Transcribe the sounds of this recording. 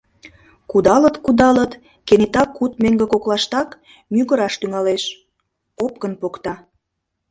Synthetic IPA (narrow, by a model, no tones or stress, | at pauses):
kud̪ɑlət̪kud̪ɑlət̪ | kenet̪ɑkːut̪̚meŋɡekoklɑʃt̪ɑk | myɣəɾɑʃt̪yŋɑleʃ | opkənpokt̪ɑ